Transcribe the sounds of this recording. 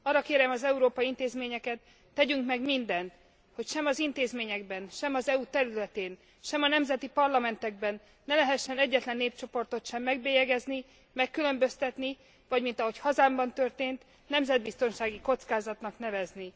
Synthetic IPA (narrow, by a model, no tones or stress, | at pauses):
ɒːrːɒkeːɾɛmɒzɛuɾoːpɒint̪eːzmeːɲɛkɛt̪ː | ɛɟyŋkmɛɡmind̪ɛnt̪ | ho̞cʃɛmɒzint̪eːzmeːɲɛɡbɛnʃɛmɒzɛut̪ɛɾylɛt̪eːn | ʃɛmɒnɛmzɛt̪ipɒrlɒmɛnt̪ɛɡbɛnː | ɛlɛɦɛʃːɛnɛɟːɛt̪lɛnːeːpt͡ʃo̞po̞rt̪o̞t̪ʃɛmːɛɡbeːjɛɡɛzni | mɛkːylø̞mbø̞st̪ɛt̪ni | vɒɟmint̪ɒɦo̞chɒzaːmbɒnt̪ø̞rt̪eːnt̪ | nɛmzɛd̪̚bist̪o̞nʃaːɡiko̞t̪skaːzɒt̪nɒknɛvɛzni